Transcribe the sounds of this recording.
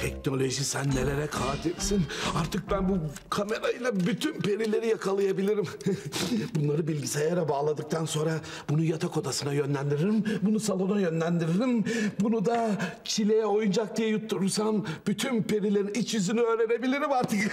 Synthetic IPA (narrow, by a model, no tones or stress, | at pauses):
t̪ʰɛkno̞lʲo̞ʒisænːelʲeɾɛkʰaːt̪ʰilsinaɾt̪ʰɯk̚bænbu | kʰame̞ɾajilˠabyt̪ʰynpʰe̞ɾilʲe̞ɾijakʰalˠɯjabilʲiɾim | bunlˠaɾɯbilʲɟisejɛɾɛbaːlˠad̪ɯk̚t̪ʰanso̞nɾa | bunujat̪ʰako̞d̪asɯnajønlʲænd̪iɾiɾimbunusalˠo̞najø̞nlʲænd̪iɾeɾimbunud̪at͡ʃʰilʲe̞jɛo̞jund͡ʒak̚d̪ijɛjut̪ːuɾuɾsanb̥yt̪ʰynpe̞ɾilʲe̞ɾinit͡ʃjyzynyøːɾe̞ɾe̞bilʲiɾimaɾt̪ʰɯk